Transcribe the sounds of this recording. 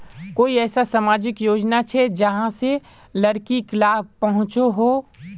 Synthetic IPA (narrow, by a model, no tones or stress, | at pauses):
koːiɛːsasamaːd͡ʒɪkjoːd͡ʒnat͡ʃʰɛd͡ʒəɦãse | ləɽkiklaːpəɦʊ̃t͡ʃoɦoː